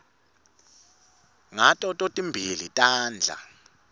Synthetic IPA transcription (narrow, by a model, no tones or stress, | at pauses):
ŋatʼɔtʼotʼimbʱilitʼaːnd͡ɮʱa̰